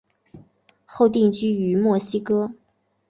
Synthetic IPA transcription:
xo˥˧ʊt̪̬i˥˩ŋt͡ɕy˥y˧˥mwɔ˥˩ɕi˥kɤ˥

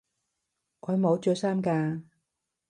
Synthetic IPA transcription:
ʔɔː˨˧jmo˨˧wt͡ʃœ˧saː˥mkaː˧

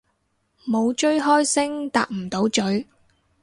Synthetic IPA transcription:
mo˨˧wt͡ʃɵ˥ɥɦɔː˥jsɪ˥ŋt̪a̰ː˨˧k̚m̩˨˩t̪o˨˥wt͡ʃɵ˨˥ɥ

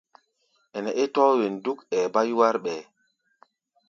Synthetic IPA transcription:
ʔɛ˨nɛ˨ʔe˦tɔ˦we˨ndu˦kɛː˨ba˦jwa˦ɾɓɛ˨

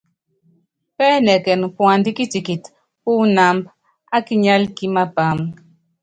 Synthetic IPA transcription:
pɛ˦nɛ˨kɛ˨n˨pwa˨ndi˦ki˦ti˨ki˨t | pu˦na˨mb | a˦ki˦ɲa˦lki˦ma˦ba˨˦m

